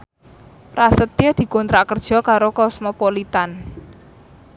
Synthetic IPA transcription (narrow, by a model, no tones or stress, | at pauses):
pɾasət̪jad̪̥i̤kɔnt̪ɾaʔkərd̥ʒ̥ɔ̤kaɾokɔsmopolit̪an